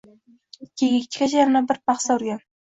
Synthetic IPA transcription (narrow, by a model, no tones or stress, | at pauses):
kʲʰeɡʲɪk̚ʲt͡ʃ̪ʰɪ̥kʲad͡ʒaɾɪnabɪɾpʰɑχsaʊɾɡʲan